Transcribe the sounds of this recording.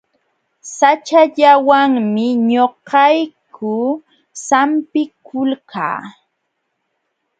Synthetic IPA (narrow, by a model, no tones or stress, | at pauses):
sat͡ʃaʎawaŋmɪɲoqɑjkʰʊ | sampɪkʊlka̰ː